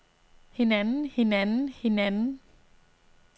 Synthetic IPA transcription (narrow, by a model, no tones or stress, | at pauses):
hinɛnhinɛnhinɛn